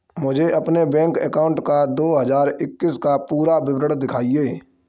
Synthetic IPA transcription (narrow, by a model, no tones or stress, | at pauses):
mʊd͡ʒʱeɐpnebɛ̃ːŋkɛːkaːʊ̃ɳʈkad̪oːɦɐzaːɾɪkːɪskapuːɾabɪbɾəɽd̪ɪkʰaːieː